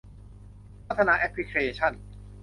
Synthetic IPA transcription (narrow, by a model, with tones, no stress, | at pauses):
pʰa˥˩t̪ʰːa˧naː˧ʔɛ˦˥pʰɾi˦˥kʰɾi˧eː˧t͡ɕʰa˥˩n